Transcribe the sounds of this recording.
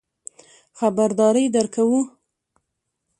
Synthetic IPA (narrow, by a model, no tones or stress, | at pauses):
xabaɾd̪ɑɾəjd̪əɾkʰawu